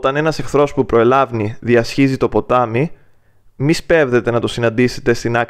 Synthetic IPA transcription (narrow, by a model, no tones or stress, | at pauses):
t̪ɐne̞nɐse̞xθɾo̞spupɾo̞elɐvniðiɐsçizit̪o̞po̞t̪ɐmi | mispevðe̞t̪e̞nɐt̪o̞sinɐnd̪ise̞̥t̪e̞st̪inɐk